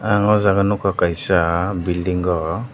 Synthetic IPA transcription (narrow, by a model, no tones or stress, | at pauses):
aŋɔzaɡanukʰakajsabildiŋɡɔ